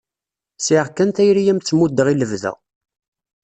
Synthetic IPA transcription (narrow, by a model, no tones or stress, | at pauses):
siʁkːænθæjɾijæmt͡sːmud̪əʁiləvðæ̰